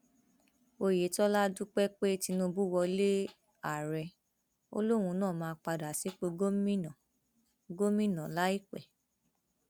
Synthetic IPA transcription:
o˧je˨˦tɔ˦la˦du˦k͡pɛ˦k͡pe˦ti˧nũ˧˦bu˦wɔ˧le˦ | a˨ɾɛ˧ | o̰˦lo˦wũ˧nãː˦˨mãː˨˧k͡pa˧da˨si˨˦k͡pe˦ɡo˦mĩ˦nã˨ | ɡo˦mĩ˦nã˨la˦i˦k͡pɛ˨

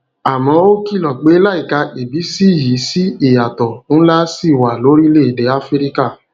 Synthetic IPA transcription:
a˨mɔ̃˨˦o˦ki˦˨lɔ˨k͡pe˨˦la˦i˨ka˧ʔe˨bi˨˦si˦˨ji˨˦si˦i˦˨ja˨tɔ˨ñ̩˦la˦si˦˨wa˨lo˨˦ɾi˦le˦˨dɛ˨˦a˦fi˦ɾi˦ka˦˨

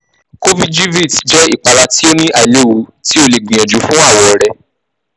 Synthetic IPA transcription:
ko˦vi˦d͡ʒi˦vi˦˨td͡ʒɛ˦i˦˨k͡pa˨ɾa˧ti˦o˦nĩ˦ʔa˨i˨le˦˨wu˨˦ti˦o˧le˨ɡ͡bĩ˨j̃ã˨d͡ʒu˨˦fũ˦a˦˨wɔ˧˨ɾɛ˨

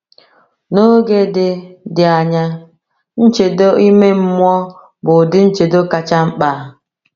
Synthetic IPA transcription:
no˦ɡe˦dɪ˦dɪ˨a˨ɲa˦ | n̩˦t͡ʃe˨do˦i˦me˦m̩˦mʷ˦ɔ˦ | bʊ˨dɪ˦n̩˦t͡ʃe˨do˦ka˨t͡ʃa˦ŋ͡m̩˦k͡pa˨˦˨

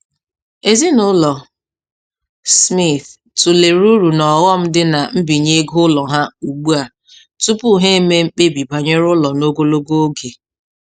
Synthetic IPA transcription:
e˨zi˦nʊ˦lɔ˨ | smi˦˨θ | tʊ˨le˨ɾu˦ɾu˨nɔ˨ɣɔ˦m̩˦dɪ˦na˨m̩˦bi˨ɲe˦ɡʊ˦lɔ˨ɦa˦u˨ɡ͡bu˦a˨ | tu˦pu˦ɦe˦e˦me˦ŋ͡m̩˦k͡pe˦bi˨ba˨ɲe˦ɾʊ˦lɔ˨no˦ɡo˦lo˦ɡo˦o˦ɡe˨

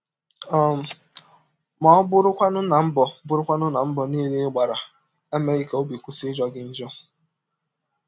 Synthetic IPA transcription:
ɔ˦˨m̩˨ | mɔ˨˦bʊ˦ɾʊ˦kʷa˦nʊ˦na˨m̩˦bɔ˨bʊ˦ɾʊ˦kʷa˦nʊ˦na˨m̩˦bɔ˨niː˦le˦ɡ͡ba˨ɾa˨ | e˦me˦ɣi˦ka˨o˦bi˨kʷu˦si˦d͡ʒɔ˦ɡɪ˦n̩˦d͡ʒɔ˦

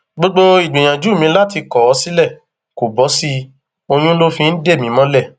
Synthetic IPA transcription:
ɡ͡bo˦ɡ͡bo˦i˨ɡ͡bĩ˨j̃ã˨d͡ʒu˨˦˨mĩ˧˦la˦ti˧kɔ˨ɔ˧˦si˦lɛ˦˨ | ko˨bɔ˨˦si˧˦ | o˧j̃ũ˦lo˦fĩ˧n̩˦de˦˨mĩ˨˦mɔ̃˦lɛ˦˨

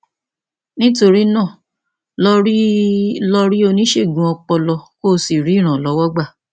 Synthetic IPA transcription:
nĩ˦to˧ɾi˦nãː˦˨ | lɔ˧ɾi˦lɔ˧ɾi˦o˧nĩ˦ʃe˦˨ɡũ˨ɔ˧k͡pɔ˧lɔ˧ko˦si˨ɾi˨˦˨ɾ̃ã˨lɔ˨˦wɔ˦ɡ͡ba˦˨

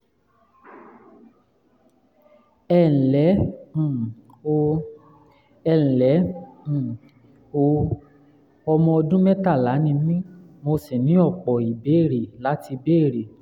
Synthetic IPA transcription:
ɛ˦˨n̩˨lɛ̃˨˦˨ | o˧ | ɛ̃˨lɛ̃˨˦˨ | o˧ | ɔ˧mɔ̃˧ɔ˧dũ˦mɛ˦ta˦˨la˨˦nĩ˧mĩ˦ | mo˧se˨nĩ˨˦ɔ˦˨k͡pɔ˨i˨be˨˦˨ɾe˨la˨˦ti˧be˦˨ɾe˨

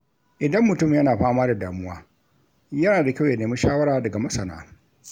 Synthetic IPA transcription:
ʔɪ˨dɐ˦mːʊ˨tʊ˦mjɐ˦naː˨ɸaː˦maː˦da˨daː˨mʊ˦waː˦ | jɐ˦naː˨da˨kʲa˦˨wja˨neː˨mɪ˦ʃaː˦wɐ˦ɾaː˨dɐ˨ɡa˨mɐ˦sɐ˨na̰ː˦

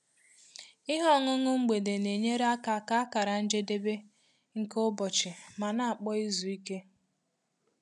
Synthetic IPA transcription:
ɪ˦ɦɔ˦˨ŋʊ˦ŋʊ˦ŋ͡m̩˦ɡ͡be˨de˨ne˨ɲe˦ɾa˦ka˨ka˦a˦ka˨ɾa˨n̩˦d͡ʒe˦de˦be˦ | ŋ̩˦kʊ˦bɔ˨t͡ʃɪ˨ma˨na˦a˨k͡pɔ˦i˦zu˨i˦ke˦

